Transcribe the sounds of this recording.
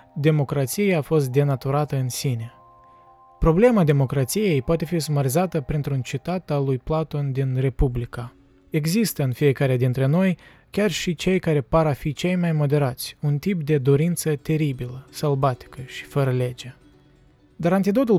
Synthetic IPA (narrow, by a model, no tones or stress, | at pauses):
d̪e̞mo̞kɾat̪sijeafo̞st̪̚d̪e̞nat̪uɾat̪əɨnsine̞ | pɾo̞ble̞mad̪e̞mo̞kɾat̪sije̞jpoat̪e̞fisumaɾizat̪əpɾint̪ɾunt͡ʃit̪at̪alujplat̪o̞nd̪inre̞publika | e̞ɡzist̪əɨnfije̞kaɾead̪int̪ɾe̞no̞j | kʲarʃit͡ʃe̞jkaɾe̞paɾafit͡ʃe̞jmajmo̞d̪e̞ɾat̪sʲunt̪ipd̪e̞d̪o̞ɾint̪sət̪e̞ɾibiləsalbat̪i̥kəʃi̥fəɾəle̞d͡ʒe̞ | d̪aɾant̪id̪o̞t̪ul